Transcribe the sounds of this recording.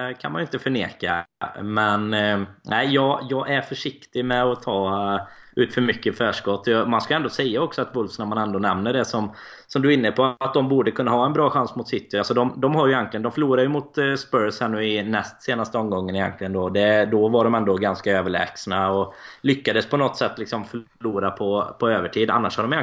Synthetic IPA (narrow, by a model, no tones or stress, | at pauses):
kʰa̰nmanjʏɪnt̪əfœɳḛːka̰mɛnnʔæɪjɑːjɑːɡæɾfœʂɪkt̪ɪɡmɛɔt̪ʰɑː | ʉ̟ːt̪fœɾmʏkːəfæːʂkɔt̪ːɔjɑmanskaɛnd̪oːsɛjːaɔksɔat̪vɵlfsnamanɛnd̪oːnɛmnəɖɛsɔm | sɔmd̪ɵɪnːəpʰɔat̪̚d̪ɔmbuːɖəkʰɵnːaɦɑːɛnbɾɑːɧansmʊt̪sɪt̪ːɪalsɔd̪ɔmd̪ɔmɦaɾjʉjɛnt̪lɪɡənd̪ɔmfœɭuːɾaɾjɵmʊt̪spœɾshɛnːʉɪnɛst̪seːnast̪əɔmɡɔŋːənɪjɛ̰nk̪lɪɡənd̪ɔd̪ɛd̪ɔvaɖɔmɛnd̪ɔɡanskaøːvəɭɛ̰ːɡsnaɔlʏkːad̪əspʰɔnɔt̪ːsɛt̪ːlɪksɔmf | ɭuːɾapʰɔpʰɔøːvəʈʰiːd̪a̰nːa̰ʂhaɾɖɔmjɛ